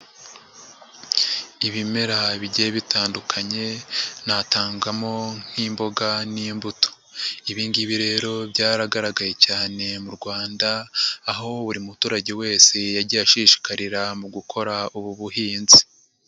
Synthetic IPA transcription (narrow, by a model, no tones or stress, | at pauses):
iβime̞ɾaβiɟeeβitʰaːndukʰaɲe̞nataːŋɡamo̞n̥iːmbo̞ɡaniːmbuto̥ | iβiːndiβiɾe̞ɾo̞bɟaːɾaɡaɾaɡaje̞caːne̞muɾɡwaːndaːɦo̞βuɾimutuːɾaɟewe̞ːse̞jaɾɟiaʃiːʃi̥kaɾiɾamuɡukʰo̞ɾauβuβuɦiːnzi